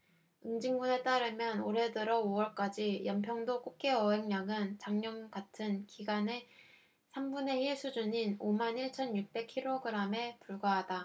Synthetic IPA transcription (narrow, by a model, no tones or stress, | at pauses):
ɯŋd͡ʑiŋɡune̞t͈aɾɯmjʌnoɾe̞dɯɾʌowʌɭk͈ad͡ʑijʌmpʰjʌŋdok͈ok͈̚e̞ʌɦeŋɲaŋɯnt͡ɕaŋɲʌnɡatʰɯnkiɡane̞ | sʰambune̞hiɭs͈ʰud͡ʑuɲinomaniɭt͡ɕʰʌnjuk̚p͈e̞kʰiɾoɡɯɾame̞puɭɡaɦada